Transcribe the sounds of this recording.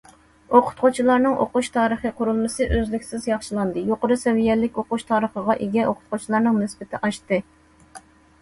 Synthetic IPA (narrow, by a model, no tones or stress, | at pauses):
oqʰʊ̥t̪̚qʰot͡ʃʰilˠɑɾnɨŋʔo̰qʊʃt̪ʰɑːɾəχəqʰʊɾulˠmɨsɨʔøzlɪkʲsɪzjɑχʃilˠɑnd̪ɨjoqəɾusɛvijɛlːɪkʲoqʊʃt̪ʰɑːɾəχəʁɑʔeɡʲɛʔoqʰʊ̥t̪qot͡ʃʰilˠɑɾnɨŋnɪsbɪt̪ʰɪʔɑʃt̪ɨ